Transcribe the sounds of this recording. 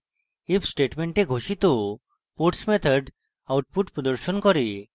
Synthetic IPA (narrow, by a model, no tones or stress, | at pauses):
ibsʈeʈmeɳʈeɡʱoʃit̪o | poʈsmet̪ʰəɖ | awʈ̚puʈpɾɔd̪ɔɾʃonkɔɾe